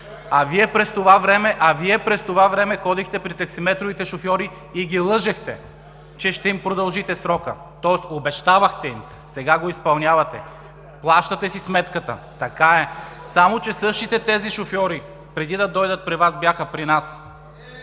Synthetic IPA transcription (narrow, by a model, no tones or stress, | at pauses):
ɐviɛpɾɛst̪ovavɾɛmɛʔɐviɛpɾɛst̪ovavɾɛmɛxɔd̪ixt̪ɛpɾit̪ɐksimɛt̪ɾovit̪ɛʃofjɔɾiː | ɡilˠɤʒɛxt̪ɛ | t͡ʃɛʃt̪ɛimpɾod̪ɐlˠʒit̪ɛsɾɔkə̰ | t̪ɔɛsobɛʃt̪avɐxt̪ɛim | sɛɡaɡoispɐlˠnʲjavɐt̪ɛ̰ | plˠaʃt̪ɐt̪ɛsismɛt̪kət̪ə̰t̪ɐkaɛsamot͡ʃɛsɤʃt̪it̪ɛt̪ɛziʃofjɔɾi | pɾɛd̪id̪ɐd̪ɔjd̪ət̪̚pɾivasbjaxəpɾinas